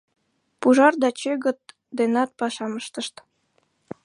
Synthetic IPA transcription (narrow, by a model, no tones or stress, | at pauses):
puʒɑrd̪ɑt͡ɕøɣə̆t̪̚ | d̪enɑt̪̚pɑʃɑməʃt̪ə̆ʃt̪